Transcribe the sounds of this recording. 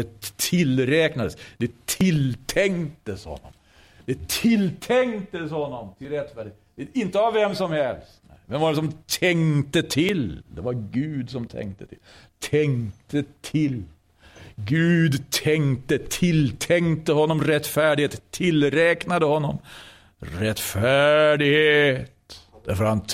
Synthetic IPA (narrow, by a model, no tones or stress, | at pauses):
ɛt̪ʰɪlɾɛːknad̪əsd̪ɛt̪ʰɪlt̪ʰɛŋt̪əshɔ̰nːɔ̰m | d̪̥ɛt̪ʰɪlt̪ʰɛŋt̪əshɔnːɔmt̪ʰɪlɾɛt̪ːfæːɖɪeɛɪnt̪əavːɛmsɔmhɛlst̪nɛ̰ɪvɛnvaɖɛs̬ɔmt̪ʰɛŋt̪ət̪ʰɪld̪ɛvaɾɡʉ̟ːd̪sɔmt̪ʰɛ̰ŋt̪ət̪ʰɪ̰lːt̪ʰɛŋt̪ət̪ʰɪl | ɡʉːd̪t̪ʰɛŋt̪ət̪ʰɪlt̪ʰɛŋt̪əhɔnːɔmɾɛt̪ːfæːɖɪheːt̪t̪ʰːɪlɾɛknad̪əhɔnːɔm | ɾɛt̪ːfæɖɪɡheːt̪d̪̥æɾfɔɾhan